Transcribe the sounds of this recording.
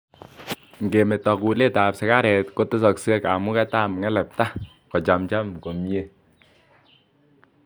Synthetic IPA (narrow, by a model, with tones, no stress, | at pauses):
ŋ̩˨ɡe˨me˨tɔ˨ku˨le˦˨ta˨psɛ˨ka˦ɾɛ˨tko˦te˦sɔ˨kse˦ka˨mu˦kɛ˦ta˦˨m˨ŋɛ˦lɛ˨p̚ta˦ | kɔ˨d͡ʒa˨mt͡ʃa˦mko˨mje˦